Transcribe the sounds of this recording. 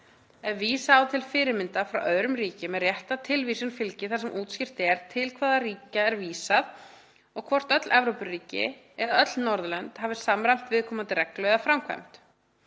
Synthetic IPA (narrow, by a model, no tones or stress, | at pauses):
ɛvviːsaːwt̪ʰɪlfɪːɾɪɾmɪnt̪afɾawʔœðɾʏmriːcɪmɛðrjɛht̪at̪ʰɪlviːsʏnfɪlcɪθaɾ̥sɛmʔuːt̪scɪr̥t̪ɛɾ̥t̪ʰɪlkʰvaːðariːcaɛɾviːsað | ɔɣkʰvɔr̥t̪œt̪lʔɛvɾowpʏrːiːcɪ̰ | ɛðaœt̪lnɔɾðlœnt̪haːvɪ̥samɾajm̥t̪vɪðkʰɔmant̪ɪrʔɛklœɥðafɾamkʰva̰jm̥t̪